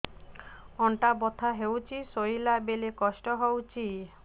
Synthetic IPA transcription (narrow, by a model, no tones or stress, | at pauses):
ɔɳʈabɔt̪ʰaɦewt͡ɕʰisojlabelekɔʃʈɔɦowt͡ɕʰi